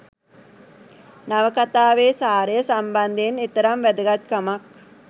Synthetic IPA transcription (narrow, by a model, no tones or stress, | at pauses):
naʋəkat̪aːʋeːsaːɾəjəsamband̪enit̪əɾamʋæd̪əɡat̪kamak̚